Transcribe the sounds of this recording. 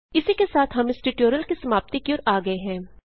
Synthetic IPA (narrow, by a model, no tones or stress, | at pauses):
ɪsikesaːt̪ʰɦɐmɪsʈɪʈoːɾjəlkisɐmaːp̚t̪ikioːɾaːɡɐeɦɛ̃ː